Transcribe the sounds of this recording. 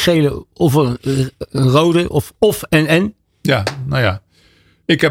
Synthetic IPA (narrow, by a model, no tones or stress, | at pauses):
ejləɔfənənrowdəʔɔfɔfɛnɛn | janaja | ɪkɦɛ